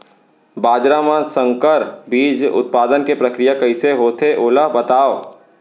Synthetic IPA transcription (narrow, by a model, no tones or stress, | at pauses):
baːd͡ʒɾamãsə̃ŋkəɾbiːd͡ʒʊ̰t̪̚paːd̪ənkepɾɐkɾɪjakɐiseɦoːt̪ʰeʔoːlaɦbɐt̪aːo